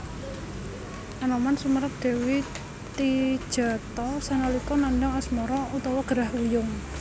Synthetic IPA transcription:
ʔanɔmansuməɾəp̚d̪̥e̤wi | t̪id̥ʒ̥a̤t̪ɔsanalikɔnandɔŋɛsmɔɾɔut̪ɔwɔɡ̥əɾahujʊŋ

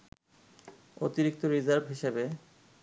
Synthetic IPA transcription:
ot̪iɾik̚t̪oɾizaɾbʱɦiʃebe

